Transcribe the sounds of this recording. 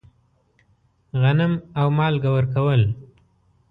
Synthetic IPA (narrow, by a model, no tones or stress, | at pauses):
ɣanɪmawmɑlɡawəɾkawəl